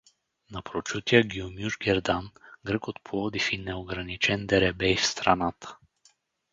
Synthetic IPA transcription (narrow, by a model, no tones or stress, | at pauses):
nɐpɾot͡ʃut̪iəɡiomjuʒɡʲɛɾd̪anɡɾəkot̪̚pʰolˠɔd̪ifinɛoɡɾɐnit͡ʃɛnd̪ɛɾɛbɛjfst̪ɾanat̪ə̥